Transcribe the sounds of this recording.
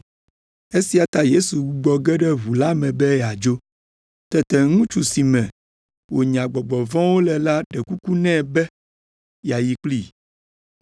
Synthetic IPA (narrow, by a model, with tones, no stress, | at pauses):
e˦si˦a˨t̪a˦je˦su˨ɡ͡bu˨ɡ͡bɔ˨ɡɛ˦ɖɛ˦ɦu˨la˦mɛ̃˨bɛ˦ja˨d͡ʒo˦ | t̪ɛ˦t̪ɛ˨ŋũ˦t͡ʃu˨si˨mɛ̃˨ | wo˨ɲã˨ɡ͡bɔ˨ɡ͡bɔ˨vɔ̃˦wo˦lɛ˨la˦ɖɛ˨ku˦ku˦nɛ̃˦˨bɛ˦ | ja˨ji˨k͡pli˦˨